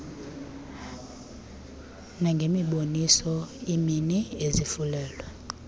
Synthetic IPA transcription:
naŋɡʱemiɓonisɔiminiezifulɛːlwɛ

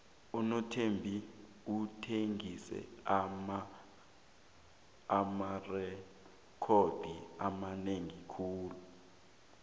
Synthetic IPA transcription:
unɔtʰembʱi | utʰeŋisɛ̰ma | amarɛ | kʰod̥ʱiamaneŋikʰuːlu

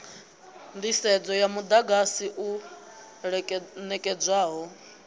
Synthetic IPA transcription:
nd̪isɛd͡zɔjamud̪aɡasiʔu | nɛkʼɛd͡zʷwaːɦɔ

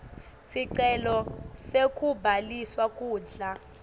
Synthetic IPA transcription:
siǀɛlɔsekʼubʱaliswakʼuːɮa

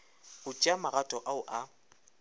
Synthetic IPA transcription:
ɣʊt͡ʃʼamaɣatʼɔʔaʊʔa

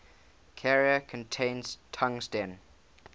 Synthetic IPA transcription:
kʰɛɹiəkʰə̃ntʰẽɪ̃nz̥tʰãŋstɛ̃n

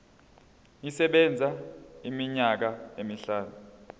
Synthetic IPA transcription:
isɛɓɛnd͡zʱaimiɲak̬aemiɬaːnu

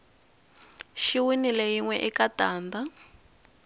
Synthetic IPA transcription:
ʃiwinilejiŋwɛʔikataːnda

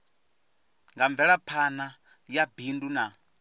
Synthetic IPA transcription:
ŋɡaɱb̪vɛɺapʰana | jabinduna

